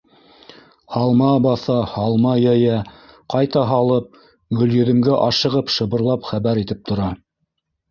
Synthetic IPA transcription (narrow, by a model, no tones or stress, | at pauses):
hɑlˠmɑbɑθɑhɑlˠmɑjæjæ | qɑjt̪ɑɦɑlˠɤp̚ | ɡɵ̆ljɵ̆ðɘ̆mɡæʔɑʃɤ̆ʁɤpʃɤ̆βɤ̆ɾlˠɑpχæβæɾit̪ɘp̚t̪ʰŏɾɑ